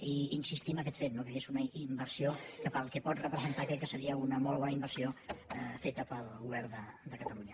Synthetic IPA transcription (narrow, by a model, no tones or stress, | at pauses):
iinsist̪iməkɛt̪fet̪nokəezunəimbərsiokəpəlˠkɛpɔt̪rəpɾəzənt̪akɾɛkːəsəɾiəunəmolˠβ̞ɔnəimbərsiofet̪əpəlˠɣuβɛrnd̪əd̪əkət̪əluɲə